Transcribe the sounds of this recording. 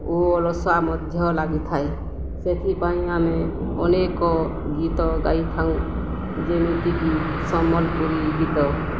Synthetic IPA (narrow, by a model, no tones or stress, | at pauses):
oɔlɔswamɔd̪ʱjɔlaɡit̪ʰae | set̪ʰipaĩameɔnekɔ | ɡit̪ɔɡait̪ʰaũ | d͡ʒenit̪iki | sɔmɔlpuɾiɡit̪ɔ